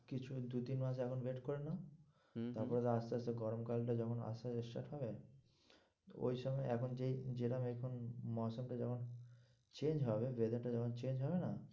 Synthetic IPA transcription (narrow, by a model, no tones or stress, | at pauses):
kit͡ɕʰud̪ut̪inmaʃ̬ɛkʰonbeʈkɔɾena | t̪aɾpɔɾet̪aɾast̪easeɡɔɾomkalʈad͡ʑɔkʰona̰saeʃʈa̰ʈɦɔbe | o̰jʃɔmɔeɛkʰond͡ʑejd͡ʑeʈamekʰonmɔsomʈad͡ʑɔkʰon | t͡ɕend͡ʑɦɔbeved̪eʈad͡ʑɔkʰont͡ɕend͡ʑɦɔbena